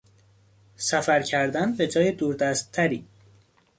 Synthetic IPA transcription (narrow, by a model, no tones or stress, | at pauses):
sæfæɾcʰæɾd̪ænbe̞d͡ʒɒːjed̪uːɾd̪æst̪̚ʰːæɾiː